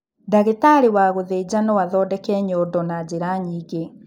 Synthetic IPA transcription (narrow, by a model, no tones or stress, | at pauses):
daɣetaɾiwaɣoðed͡ʑanɔwaðɔdɛkɛɲɔdɔnad͡ʑeɾaɲiːɡe